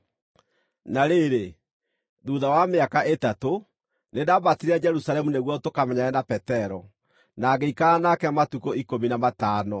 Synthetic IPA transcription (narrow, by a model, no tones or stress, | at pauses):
naɾeɾe | ðuðawameakaʔetato | nedabatiɾad͡ʒɛɾusalɛmuneɣwɔtokamɛɲaɛnapɛtɛɾɔ | naɡeikaanakɛmatukoikominamataːnɔ